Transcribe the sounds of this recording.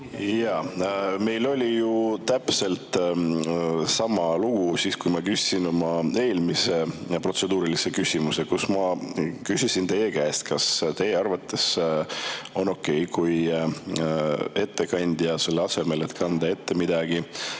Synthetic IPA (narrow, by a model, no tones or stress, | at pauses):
jɑme̞jlo̞lʲijut̪æpse̞lt̪ | sɑmɑluɡ̥usiːskujmɑkysʲːino̞mɑe̞ːlmise̞pro̞t̪se̞d̪uːɾilise̞kysʲimuse̞kusmɑkysʲisint̪e̞jekæːst̪̚kɑst̪e̞jeɑrvɑt̪ˑːe̞s | o̞no̞kːe̞jkuj | e̞t̪ːe̞kɑnʲd̪̥jɑse̞lːeɑse̞me̞le̞t̪ːˑkʰɑnd̪̥ɑe̞t̪ːe̞mid̪ɑɡ̥i